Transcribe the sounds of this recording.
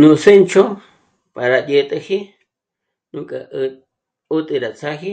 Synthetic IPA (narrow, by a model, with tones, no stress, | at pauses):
nũ˨se˦nt͡ʃo˦ | pa˨ɾa˨ʄe˧t̪ʼe˧hi˦ | nũ˦kʼa˧ | u˦t̪ʼi˧ɾa˨t͡sa˦hi˦